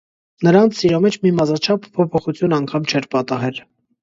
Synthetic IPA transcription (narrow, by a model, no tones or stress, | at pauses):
nəɾɑnt͡sʰiɾɑmɛt͡ʃʰmimɑzɑt͡ʃʰɑpʰːɔpʰɔχut͡sʰjunɑŋkʰɑmt͡ʃʰɛɾpɑt̪ɑɦɛl